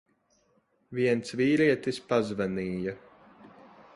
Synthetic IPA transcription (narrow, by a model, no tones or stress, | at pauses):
viɛnt̪sviːɾiɛt̪ispazvaniːjɐ